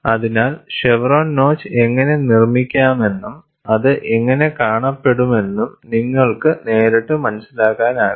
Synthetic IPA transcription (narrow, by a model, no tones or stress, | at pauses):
ɐðinaːlʂeʋroːnno̞ːt͡ɕːɨe̞ŋːɐne̞nirmikʲːaːme̞nːum | ɐðɨʔeŋːɐne̞kaːɳɐpːe̞ɽume̞nːumniŋːɐɭkɨne̞ːɾeʈːɨmɐnɐsilaːɣaːnaː